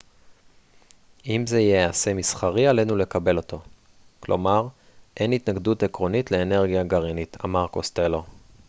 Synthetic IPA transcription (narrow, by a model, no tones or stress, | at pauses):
ʔimzeijease̞misχaʁialenule̞kabe̞lo̞to̞ | klo̞̰maʁ | ʔe̞nitnaɡdutekʁo̞nitle̞ːne̞ʁɡijaɡaʁinit̪ʰa̰maʁkost̪elo̞